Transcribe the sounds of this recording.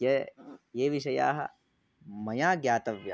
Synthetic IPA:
jɐjeːʋiʃɐja̰ːɦɐ̰ | mɐjaːɡjaːt̪ɐʋja

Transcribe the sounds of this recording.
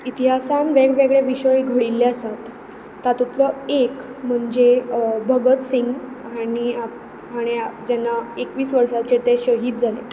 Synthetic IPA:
it̪iɦasãnʋeɡʋeɡɭeʋiɕəjɡʱəɽilːeəsat̪ː | at̪ut̪lɔekm̤əɳd͡zebʱəɡət̪siŋɡ | aɽ̃ia | ɦaɽ̃iad͡ʑɛnːaekʋiːsʋəɾʂat͡ɕet̪eɕəɦiːt̪̚d͡zʱale

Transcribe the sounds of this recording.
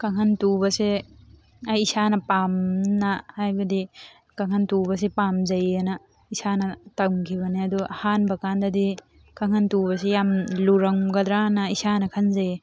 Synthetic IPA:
kaŋhantubɐse | ajːsanɐpamnahajbɐdi | kaŋhantubɐs̬epamzɐjenɐ | isanɐtamkʰibɐniɐduhanbɐkandɐdi | kaŋhantubɐsejamluɾɐŋɡɐd̪ɾanaisanɐkʰɐnzaje

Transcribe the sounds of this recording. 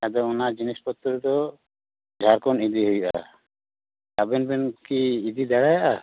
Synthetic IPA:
ad̪ɔɔnad͡ʒinispɔt̪ːɾd̪ɔ | d͡ʒʱaɾkɔnid̪iɦujʔa̰ | abɛnbɛnkiːd̪id̪aɽajaʔa

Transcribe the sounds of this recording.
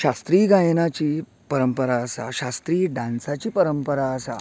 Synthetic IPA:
ɕast̪ɾiːɡajnat͡ɕiː | pəɾəmpəɾaəsa̰ɕast̪ɾiːɖãnt͡sat͡ɕiːpəɾəmpəɾaəsa̰

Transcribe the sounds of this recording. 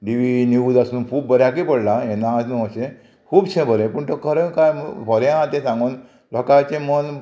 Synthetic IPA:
ɖiʋinjuːd͡zasuːnkʰuːbːəɾjak̬ipəɽlaɛnãːsnũəɕẽ | kʰuːbt͡ɕʰẽbəɾẽpəɳt̪ɔkʰəɾəkajpɔɾjããt̪ẽsãŋɡon | lɔkat͡ɕẽmən

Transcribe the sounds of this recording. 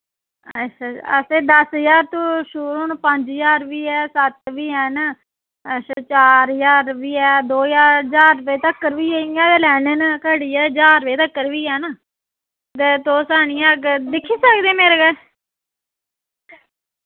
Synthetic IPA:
əʃʰaːə̰seːd̪əsəjaːɾt̪õːʃuːɾoːnpəɲd͡ʒjaːɾʋiːɛːsət̪ʋiːɛːn | əst͡ʃaːɾjaːɾʋiːɛːd̪oːjaːɾd͡ʒaːɾʋeːt̪əkːəɾʋiːeĩɛ̃ːt̪elɛːnənkəɽiːɛːd͡ʒaːɾʋeːt̪əkːəɾʋiːɛːnaː | t̪eːt̪oːsaːniːaɡd̪ɪkʰːiːsəkd̪ẽːmeːɾeɡə

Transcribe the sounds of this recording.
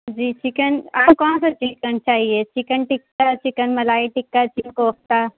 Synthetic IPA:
d͡ʒiːt͡ʃikənaːmkɔːnsat͡ʃiʈkənt͡ʃaːɦiet͡ʃikənʈɪkːat͡ʃikənmɐlaːiʈɪkːat͡ʃinkoːk̚t̪a

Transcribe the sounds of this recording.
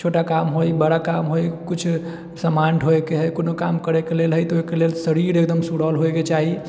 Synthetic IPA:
t͡ʃʰoʈakamɦojbəɽakamɦojkut͡ʃʰ | səmaɳʈɦoekeɦəjkonokamkəɾɛkelelɦəjt̪ojkelelsəɾiɾekd̪əmsuɽalɦoeket͡ʃaɦi

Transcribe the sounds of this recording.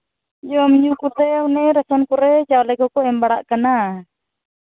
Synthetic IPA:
jɔmiɲukut̪ɛunɛɾasɔnkɔɾɛt͡ʃawlɛkɔkɔɛmbaɽaʔkana

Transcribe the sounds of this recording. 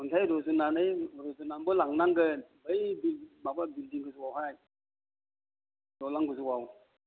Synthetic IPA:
ɔntʰajɾɔzunanɯjɾɔzunanbɔlaŋnaŋɡɯnbəjbilmababildiŋɡɯzuwawɦaj | dɔlaŋɡɯzuwaw

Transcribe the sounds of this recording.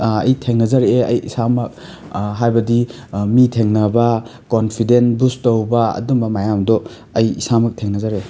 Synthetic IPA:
ɐjtʰeŋnɐzaɾeɐjisamɐk̚ | ɦajbɐdi | mitʰeŋnɐbakonpʰidenbustowbaɐ̰dumbɐmajamdɔ | ɐjisamɐk̚tʰeŋnɐzaɾe

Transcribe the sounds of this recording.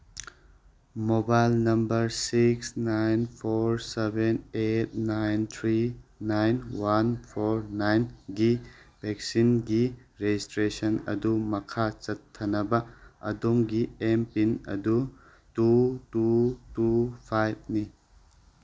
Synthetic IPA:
mobajlnɐmbɐɾsiksnajnpʰoɾsebenet̚najnt̪ʰɾinajnwanpʰoɾnajnɡibʱɛk̚sinɡiɾed͡ʒistɾesɐnɐ̰dumɐkʰat͡ʃɐt̪ʰːɐnɐbɐɐ̰domɡiempinɐ̰du | tututupʰajb̚ni

